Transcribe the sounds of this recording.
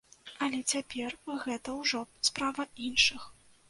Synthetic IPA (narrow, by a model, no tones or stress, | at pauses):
ɐlʲɛt͡sʲapʲɛrɣɛt̪ɐwʐɔspɾavɐinʂɨx